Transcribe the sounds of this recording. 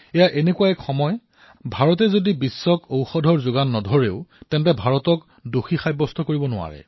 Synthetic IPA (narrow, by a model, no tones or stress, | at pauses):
ɛjaʔenekuwaɛkxɔmɔj | bʱaɹɔt̬ɛzodibisːɔkowxɔdʱɔɹzʊɡanːɔdʱɔɹeʊtɛntɛbʱaɹɔtɔk | doxixajbɔstʰɔkoɹibɔnʊa̰ɹɛ̰